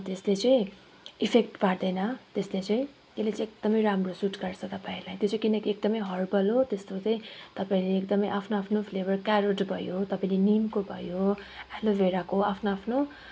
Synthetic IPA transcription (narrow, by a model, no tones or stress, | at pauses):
t̪eslet͡sʌĩ | ipʰekʈpard̪ʌjnʌt̪eslet͡sʌĩ | elet͡sːk̚d̪̥ʌmʌjɾamrosuʈɡʌrt͡sʰʌt̪ʌpaĩlajt̪jot͡sekinʌkiek̚d̪ʌmʌjɦʌrbʱʌlot̪est̪ot͡sʌĩt̪ʌpaĩleːkd̪ʌmʌjʔapʰnoapʰnopʰlebʌrkaɾoʈbʱʌjot̪ʌpaĩlenimkobʱʌ̰joalobeɾakoapʰnoapʰno